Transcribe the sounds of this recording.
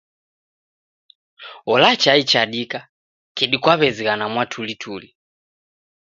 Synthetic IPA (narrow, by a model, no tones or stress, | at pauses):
ɔlat͡ʃait͡ʃaɗika | kɛɗikwaβɛziɣanamwatʰulitʰuli